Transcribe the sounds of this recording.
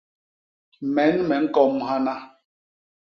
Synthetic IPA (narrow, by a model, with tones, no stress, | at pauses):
mɛ˨˦nmɛ˨ŋ̩˦kɔ˦˨mha˦na˦